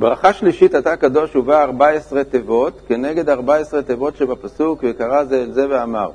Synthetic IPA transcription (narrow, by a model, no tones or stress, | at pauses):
bʁaχaʃliʃit̪at̪akad̪o̞ʃuvaːʁbaesʁet̪evo̞t̪keneɡed̪aʁbaesʁet̪evo̞tʃebapasukvekaʁazeːlzeveama̰ʁ